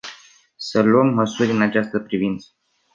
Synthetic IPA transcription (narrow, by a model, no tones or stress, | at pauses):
səluəmːəsuɾʲɨnat͡ʃast̪əpɾivint̪sə̥